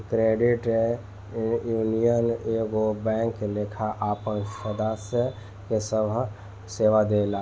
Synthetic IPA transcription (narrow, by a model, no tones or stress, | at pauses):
kɾeɖɪʈe | juːnijəneɡobɛ̃ːŋkːelekʰaʔaːpənʃəd̪asə | kesəbʱ | seːʋad̪eːla